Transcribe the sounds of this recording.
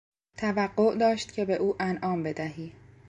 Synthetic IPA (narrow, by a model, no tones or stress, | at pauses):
t̪ʰævæɢːoʔd̪ɒːʃt̪̚cʰe̞be̞ʔuːʔænʔɒːmbe̞d̪æɦiː